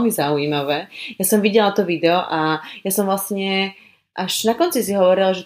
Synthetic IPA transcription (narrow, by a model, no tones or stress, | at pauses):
lmizauimaʋɛːjasɔmʋiɟɛlat̪ɔʋid̪ɛɔʔajasɔmvlasɲɛ | ʔaʒ̥nakɔnt͡sisiɦɔʋɔɾilaʒɛ